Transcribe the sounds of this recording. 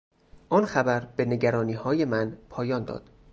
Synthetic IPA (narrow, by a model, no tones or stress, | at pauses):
ʔɒːnxæbæɾb̥e̞ne̞ɟæɾɒːniːhɒːjemænpʰɒːjɒːnd̪ɒ̰ːd̪̥